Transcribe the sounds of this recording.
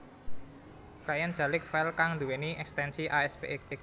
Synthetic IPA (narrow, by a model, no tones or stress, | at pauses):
kɾajan̥ʒ̥a̤lɪkfɛlkaŋnd̪uweniʔɛkst̪ɛnsiʔaɛspḛk